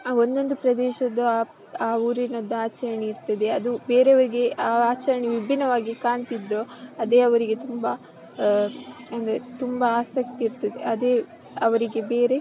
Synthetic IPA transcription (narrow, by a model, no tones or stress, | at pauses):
aːo̞nd̪o̞nd̪upɾɐd̪ɛːʃɐd̪ɐ | aːuːɾinɐd̪ːɐaːt͡ʃɐɾɐɳiːɾt̪ɐd̪e̞ɐd̪ubeːɾeɐʋɐɾiɡe̞ʔaːaːt͡ʃɐɾɐɳiʋibʱinɐʋaːɡikaːɳt̪id̪ɾo̞ːɐd̪e̞ːɐʋɐɾiɡe̞t̪umbɐ | ɐnd̪ɐɾet̪umbɐaːsɐkt̪iːɾt̪ɐd̪ḛʔɐd̪eː | ɐʋɐɾiɡe̞beːɾe̞